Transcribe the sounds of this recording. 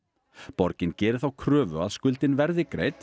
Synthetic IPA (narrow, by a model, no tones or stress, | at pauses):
pɔɾcɪncɛːɾɪθawkʰɾœːvʏ̰a̰ðskʏlt̪ɪnvɛɾðɪkɾḛːjt̪